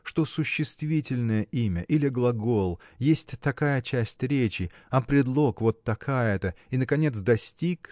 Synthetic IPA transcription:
ʂt̪o̞sʊɕːɪst̪vʲitʲɪlʲnəjəʔimʲəʔilʲɪɡlˠɐɡo̞lˠjesʲtʲt̪ɐkajət͡ɕæsʲtʲɾʲet͡ɕɪɐpɾʲɪd̪lˠo̞kvo̞t̪ːɐkʰajət̪ə | inəkɐnʲe̞t̪sd̪ɐsʲtʲik

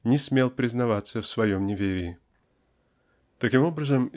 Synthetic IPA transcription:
nʲɪsʲmʲe̞lˠpɾʲɪznɐvat̪səfsvɐjo̞mnʲɪvʲeɾʲɪː | t̪ɐkʲimo̞bɾəzəm

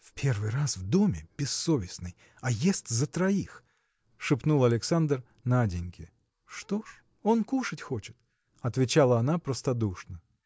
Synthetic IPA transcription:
fpʲe̞rvɨjrasvd̪o̞mʲɪb̥ʲɪsːovʲɪsnɨj | ɐjesʲtʲzət̪ɾɐix | ʂɨpnulˠɐlʲɪksand̪r | nadʲɪnʲkʲɪ | ʂt̪oʂ | o̞nkuʂətʲxo̞t͡ɕɪt̪ | ɐt̪vʲɪt͡ɕalˠəɐnapɾəst̪ɐd̪uʂnə

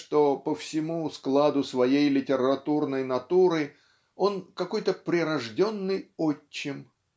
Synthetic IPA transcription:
ʂt̪o̞pəfsʲɪmusklˠad̪ʊsvɐjejlʲɪtʲɪɾɐt̪urnəjnɐt̪uɾɨ | o̞nkɐko̞jt̪əpɾʲɪɾɐʐdʲo̞nːɨjot͡ɕːɪm

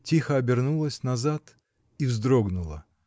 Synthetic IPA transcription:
tʲixəɐbʲɪrnulˠəsʲnɐzat̪ | ivzd̪ɾoɡnʊlˠə̰

